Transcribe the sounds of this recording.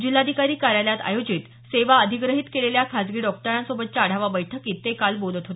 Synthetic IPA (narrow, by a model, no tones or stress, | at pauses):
d͡ʑilːad̪ʱikaɾiːkaɾjaljat̪a̰jod͡ʑiːt̪ | seʋaəd̪ʱiɡɾəɦiːt̪keɭeljakʰat͡sɡiːɖɔkʈəɾãnsobət̪̚t͡ɕaɽ̤aʋabəjʈʰəkiːt̪ːekalbolət̪ɦot̪e